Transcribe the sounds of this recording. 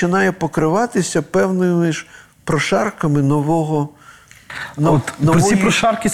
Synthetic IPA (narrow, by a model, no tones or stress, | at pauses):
t͡ʃɪnɑjɛpɔkɾɪʋɑt̪ɪsʲɐpɛwnɪmɪʒ | pɾɔʃɑrkɐmɪnɔʋɔɦɔ | nɔnɔɾɔsʲijpɾɔʃɑrkʲɪ